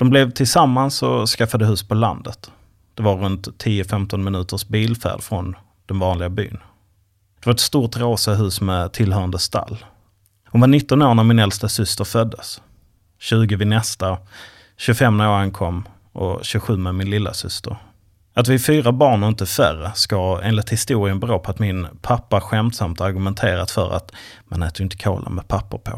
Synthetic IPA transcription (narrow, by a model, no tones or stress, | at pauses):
d̪̥ɔmblɛvt̪ʰɪlsamːansɔskafːad̪əɦʉ̟ːspʰɔla̰nd̪ət̪ | d̪̥ɛvaɾɾɵnt̪ʰːiːəfɛmt̪ɔnmɪnʉ̟ːt̪əʂbiːlfæ̰ːɖfɾɔn | d̪̥ɛnvɑːnlɪɡaby̰ːn | d̪̥ɛvaɾɛt̪st̪uːʈ̪ɾoːsaɦʉ̟ːsmɛt̪ʰɪlɦœːand̪əst̪a̰lː | hʊnvaɳɪt̪ːɔnoːɾnavmɪnɛlst̪asʏst̪əɾfœd̪ːəs | ɕʉ̟ːɡəvɪnɛst̪a | ɕɵfɛmːnoːɾankʰɔmː | ʔɔ̰ɕɵɧʉ̟ːmɛmɪnlɪlːa̰sʏst̪ə̰ɾ | at̪vɪfyːɾabɑːɳɔɪnt̪əfæ̰ɾəskaḛːnlɪt̪hɪst̪uːɾɪənbɾoːpʰɔat̪mɪnpʰapːaɧɛmt̪samt̪aɾɡɵmɛnt̪ʰeːɾa̰t̪fœɾa̰t̪ | manɛ̰ːt̪əɾjɪnt̪ə̥kʰo̰ːlʔə̰nmɛpʰapːəɾpʰo̰